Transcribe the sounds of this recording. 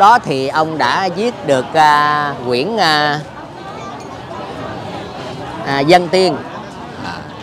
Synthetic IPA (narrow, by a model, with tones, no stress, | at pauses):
ɗɔ˨˦t̪ʰi˨˩ʔə˧wŋ͡mɗa̰ː˧˥zi˦˥ət̚ɗɨ˨˩ək̚ʔa˧kwḭ˧˩ənʔ | zə˧nt̪i˧ən